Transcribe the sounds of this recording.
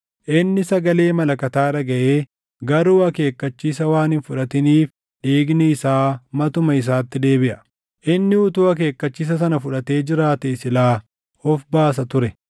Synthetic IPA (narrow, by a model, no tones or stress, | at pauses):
ʔɪnːɪsɐɡɐle̞ːmɐlɐkɐt̪aːɾɐɡɐʔeː | ɡɐɾuːɐke̞ːkːɐt͡ʃːiːsɐwaːnhɪnfʊᶑɐt̪ɪniːf | ᶑiːɡnɛɪsaːmɐt̪ʊmɐɪs̬aːt̪ːɪd̪e̞ːbɪʔɐ̥ | ʔɪnːɪʊt̪ʊɐk̬e̞ːkːɐt͡ʃːiːs̬ɐs̬ɐnɐfʊᶑɐt̪e̞ːd͡ʒɪɾaːt̪ɛɪsɪlaː | ɔfbaːs̬ɐt̪ʊɾɛ